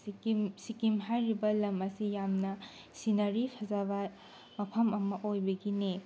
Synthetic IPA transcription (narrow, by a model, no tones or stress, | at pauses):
sikimɦajɾibɐlɐmɐsijamnɐ | sinɐɾipʰɐzaβɐ | mɐpʰɐmɐmɐʔojbɐɡine